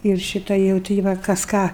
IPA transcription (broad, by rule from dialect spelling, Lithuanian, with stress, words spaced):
ɪr ˈʃʲiːtɐ jɛʊ ˈtʲɪ ʋɐ kɐs ˈkɑː